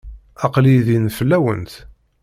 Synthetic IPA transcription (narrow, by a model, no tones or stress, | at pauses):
ɑqliðinfəlːæwə̰nt̪